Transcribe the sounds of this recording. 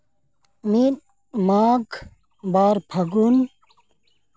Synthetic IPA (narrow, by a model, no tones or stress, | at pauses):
min | maːɡ | baːɾpʰɐɡun